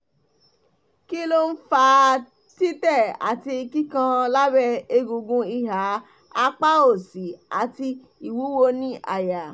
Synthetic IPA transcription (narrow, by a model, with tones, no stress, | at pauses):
ki˦lo˦n̩˦fa˧ | ti˦tɛ˦˨a̰˨ti˧i˧ki˦kã˧la˦bɛ˧e˧ɡũ˧ɡũ˧i˦˧˨ɦa˨˦ | a˧k͡pa˦o˦˨si˨a˨ti˧ | i˨wu˨˦wo˧nĩ˦a˨ja˨